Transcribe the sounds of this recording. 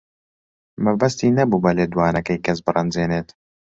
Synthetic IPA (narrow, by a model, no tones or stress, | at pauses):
mɨbɐst̪iːnɐbubɐleːd̪waːnɐkɐjkɐsbɨrɐnd͡zeːneːt̪